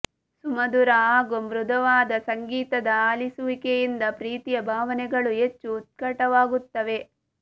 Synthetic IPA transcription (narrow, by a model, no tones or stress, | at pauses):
sumɐd̪uɾaɡomɾud̪ʱɐʋaːd̪ɐsɐŋɡiːt̪ɐd̪ɐaːlisuʋikejind̪ɐpɾiːt̪ijɐbʱaːʋɐnɛɡɐɭuɦet͡ʃːuːt̪̚kɐʈɐʋaːɡut̪ːɐʋe̞